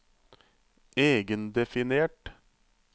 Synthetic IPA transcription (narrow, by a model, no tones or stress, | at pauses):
eːɡənd̪ɛfɪneːʈ